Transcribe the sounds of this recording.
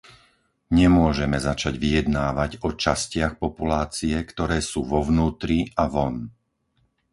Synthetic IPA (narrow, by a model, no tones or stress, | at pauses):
ɲɛmʊɔʒɛmɛzat͡ʃaɟʋijɛd̪naːʋaɟɔt͡ʃascɪaxpɔpulaːt͡siɛkt̪ɔɾɛːsuːʋɔʋnuːt̪ɾiaʋɔn